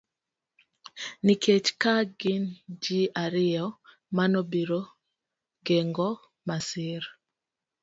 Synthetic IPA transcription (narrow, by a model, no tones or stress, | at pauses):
nikʰet͡ʃkaɡɪnd͡ʒiaɾɪɔ | manɔbiɾo | ɡɛŋɡɔ | masɪɾ